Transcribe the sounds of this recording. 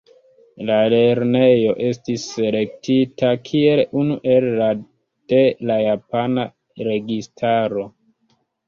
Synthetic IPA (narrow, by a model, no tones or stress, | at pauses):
lale̞ɾne̞jo̞ʔe̞stisːe̞le̞k̚titakʰie̞lunuʔe̞lːa | d̥elajapana | ɾe̞ɡistʰaɾo̞